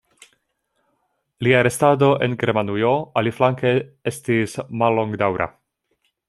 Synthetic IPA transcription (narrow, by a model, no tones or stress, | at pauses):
liaɾe̞stado̞ʔe̞̰nɡe̞ɾmanujo̞aliflaŋkee̞stismalːo̞ŋɡdawɾʔa̰